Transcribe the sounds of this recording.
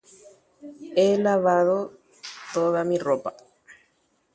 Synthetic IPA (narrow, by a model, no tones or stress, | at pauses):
elaβaðo | t̪oðamiropa